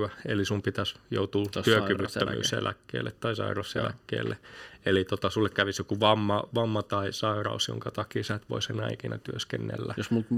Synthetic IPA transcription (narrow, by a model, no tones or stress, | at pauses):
æelisumpit̪æsjo̰ut̪uːt̪yøkyʋyt̪ːømy̰ːsḛlʔækːḛːlːet̪tɑisɑ̰irɑssḛlæ̰kːḛːlːḛelit̪ot̪ɑsulːekkæʋisjokuʋɑmːɑʋɑmːɑt̪ɑisɑirɑ̰usjo̰ŋkɑt̪ɑkiːsæt̪ʋo̰isenɑ̰ikinɑ̰t̪yøskenːḛlːæjosmult̪